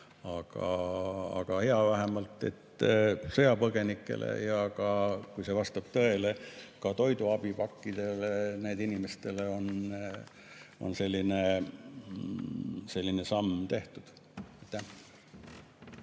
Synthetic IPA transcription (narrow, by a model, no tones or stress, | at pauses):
ɑɡ̥ɑɑ̰ɡ̥ɑhe̞ɑvæɦemɑlt̪ːˑe̞̰t̪ːsɤjɑpɤɡ̥e̞nikːˑe̞̰lʔḛjɑkɑkujsevɑst̪ɑb̥̚t̪ɤe̞lekɑt̪o̞jd̪uɑb̥ipɑkːid̪̥e̞leneːd̪inimest̪e̞leo̞n | o̞̰nse̞lʲːine̞ | se̞lʲːinesɑmːt̪e̞ht̪ud̪̥ | ejt̪ːˑæ